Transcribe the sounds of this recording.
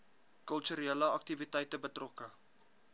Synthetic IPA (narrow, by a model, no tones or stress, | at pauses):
kœltyɾeləɐk̚tivitɛjtəbətrɔkə